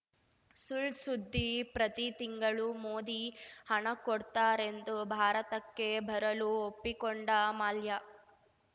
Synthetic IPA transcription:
sulsud̪ʱːipɾɐt̪it̪iŋɡɐɭumoːd̪ihɐɳɐkɔɽt̪aːɾe̞nd̪ubʱaːɾɐt̪ɐkːe̞bʱɐɾɐluopːikoɳɖɐmaːljɐ

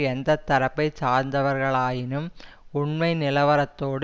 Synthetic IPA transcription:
ɛnd̪ɐt̪ːɐɾɐpːɐɪt͡ʃaːɾnd̪ɐʋɐɾɣɐɭaːjɪnɯm | ʊɳmɐɪnɪlɐʋɐɾɐt̪ːoːɽ

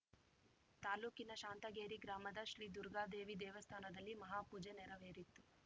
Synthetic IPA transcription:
t̪aːluːkinɐʃaːnt̪ɐɡeːɾiɡɾaːmɐd̪ɐʃɾiːd̪uɾɡaːd̪eːʋid̪ɛːʋɐst̪ʰaːnɐd̪ɐlːimɐɦaːpuːd͡ʒenɛɾɐʋeːɾit̪ːu

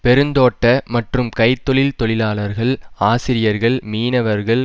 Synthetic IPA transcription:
pɛɾɯnd̪oːʈːɐmɐʈrɯmkɐɪt̪ːɔɭɪlt̪ɔɭɪlaːɭɐɾɣɐɭaːsɪɾɪjɐɾɣɐɭmiːnɐʋɐɾɣɐɭ

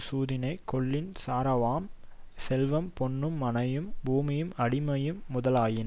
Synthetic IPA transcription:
suːðɪnɐɪkɔɭːɪnsaːɾɐʋaːm | sɛlʋɐmpɔɳːɯmːɐnɐjɯmbuːmɪjɯmɐɽɪmɐjɯmːʊðɐlaːjɪn

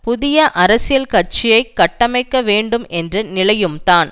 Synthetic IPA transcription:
pʊðɪjɐʔɐɾɐsɪjɐlkɐrt͡ʃɪjɐɪkːɐʈːɐmɐɪkːɐʋeːɳɖɯmɛndrɐnɪlɐjɯmt̪aːn

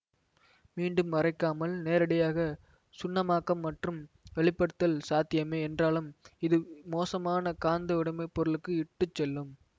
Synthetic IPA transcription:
miːɳɖɯmʋɐrɐɪkːaːmɐlneːɾɐɽɐjaːɣɐ | sʊnːɐmaːkːɐmːɐʈrɯm | ʋɛɭɪpːɐɽɯt̪ːɐlsaːt̪ːɪjɐmeːɛndraːlɯmɪðɯmoːsɐmaːnɐkaːnd̪ɐʊɽɐmɐɪpːɔɾɯɭɯkːɯɪʈːɯt͡ʃːɛlːɯm

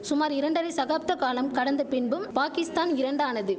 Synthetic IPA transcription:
sʊmaːɾɪɾɐɳɖɐɾɐɪsɐɣaːp̚t̪ːɐkaːlɐmkɐɽɐnd̪ɐpɪnbɯmpaːkɪst̪aːnɪɾɐɳɖaːnɐðɯ

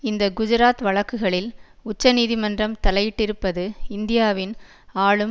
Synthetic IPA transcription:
ɪnd̪ɐɡʊd͡ʒʊɾaːt̪ʋɐɭɐkːɯɣɐɭɪlʊt͡ʃːɐniːðimɐndrɐmt̪ɐlɐjɪʈːɪɾɯpːɐðɯɪnd̪ɪjaːʋɪn | aːɭɯm

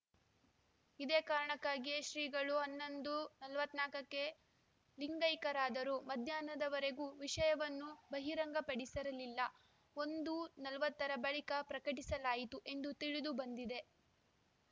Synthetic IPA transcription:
id̪eːkaːɾɐɳɐkːaːɡiʃɾiːɡɐɭuɐnːond̪unɐlɐʋɐt̪naːkɐkːe̞ | liŋɡɐjkɐɾaːd̪ɐɾumɐd̪ʱjaːnɐd̪ɐʋɐɾe̞ɡuːʋiʂɐjɐʋɐnːubɐɦiɾɐŋɡɐpɐɽisɐɾɐlilːɐ | o̞nd̪unɐlɐʋɐt̪ːɐɾɐbɐɭikɐpɾɐkɐʈ̬isɐlaːjit̪uʔe̞nd̪ut̪iɭid̪ubɐnd̪id̪e̞

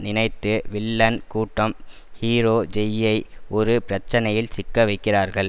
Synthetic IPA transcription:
nɪnɐɪt̪ːɯʋɪlːɐnkuːʈːɐm | hiːɾoːd͡ʒɛjɐɪʔɔɾɯpɪɾɐt͡ʃːɐnɐjɪlsɪkːɐʋɐɪkːɪraːɾɣɐɭ

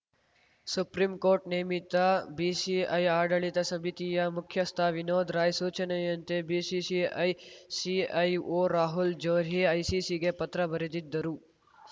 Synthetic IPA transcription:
supɾimkoːɾʈneːmit̪ːabiːsiɐ̰jaːɖɐɭit̪ɐsɐbʱit̪ijɐmʊkʰːjɐst̪ʰaːʋinoːd̪ɾaːjsuːt͡ʃɐnejɐnt̪ebiːsiːsiɐjsiɐjoːɾaːɦuld͡ʒoːɾɦiɐjsiːsiɡepɐt̪ɾɐbɐɾed̪it̪̚d̪ɐɾuː

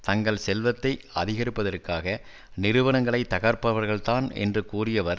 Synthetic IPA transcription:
t̪ɐŋɡɐɭsɛlʋɐt̪ːɐɪɐ̰ðɪɣɐɾɪpːɐðɐɾkːaːɣɐ | nɪɾɯʋɐnɐŋɡɐɭɐɪt̪ːɐɣɐɾpɐʋɐɾɣɐɭt̪aːnɛ̰ndrɯkuːrɪjɐʋɐɾ

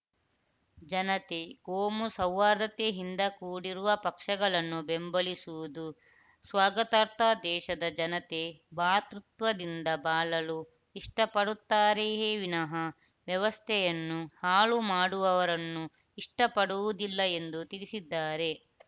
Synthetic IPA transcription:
d͡ʒɐnɐt̪ekoːmusɐwːaːɾd̪ɐt̪eɦind̪ɐkuːɽiɾuʋɐpɐkʂɐɡɐɭɐnːubembɐɭisuʋud̪u | sʋaːɡɐt̪ɐɾt̪ʰɐd̪ɛːʃɐd̪ɐd͡ʒɐnɐt̪e̞baːt̪ɾut̪ʋɐd̪ind̪ɐbaːlɐlu | iʂʈɐpɐɽut̪ːaːɾeɦeːʋinɐɦɐ | ʋjɐʋɐst̪ʰɛjɐnːuhaːɭumaːɽuʋɐʋɐɾɐnːu | iʂʈɐpɐɽuʋud̪ilːɐe̞nd̪ut̪iɾisid̪ːaːɾe̞

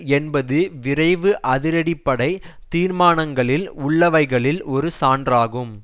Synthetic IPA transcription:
ɛnbɐðɯʋɪɾɐɪʋɯʔɐðɪɾɐɽɪpːɐɽɐɪ | t̪iːɾmaːnɐŋɡɐɭɪlʊɭːɐʋɐɪɣɐɭɪlɔɾɯsaːndraːɣɯm

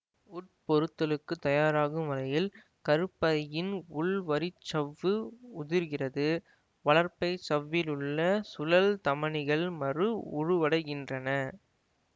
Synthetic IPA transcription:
ʊʈ̚pɔɾɯt̪ːɐlɯkːɯt̪ːɐjaːɾaːɣɯmʋɐɾɐjɪl | kɐɾɯpːɐðɐjɪnʊɭʋɐɾɪt͡ʃːɐʋːɯʊðɪɾɣɪrɐðɯ | ʋɐɭɐɾpɐɪt͡ʃɐʋːɪlɯɭːɐsʊlɐlt̪ɐmɐɳɪɣɐɭmɐrɯʊɻɯʋɐɽɐɪɣɪndrɐnɐ

